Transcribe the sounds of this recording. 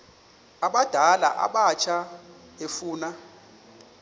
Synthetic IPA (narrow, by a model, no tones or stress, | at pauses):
aɓad̥ʱala̰ʔa̰ɓat͡ʃʰa | efuːna